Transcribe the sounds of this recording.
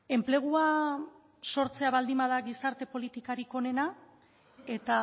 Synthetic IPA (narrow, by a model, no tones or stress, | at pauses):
e̞mple̞ɣ̞ua | so̞ɾt͡se̞aβald̪imbað̞aɣisaɾt̪e̞po̞lit̪ikaɾiko̞ne̞na | e̞t̪a